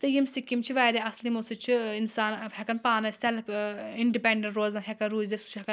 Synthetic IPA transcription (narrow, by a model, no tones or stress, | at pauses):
t̪ɨjimsikimt͡ʃʰiʋaːɾeɐslimosɨt͡ʃʰiinsaːnhekɐnpaːnɐsʲɐliɳɖipeɳɖɐɳʈɾoːzɐnɦʲekɐnɾuːzesu̥t͡ʃʰɦekɐ